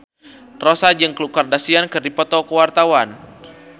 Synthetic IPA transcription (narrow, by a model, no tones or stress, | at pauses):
rosad͡ʒɨŋkəlukardasiankɨrdipɔt̪ɔkəwart̪awan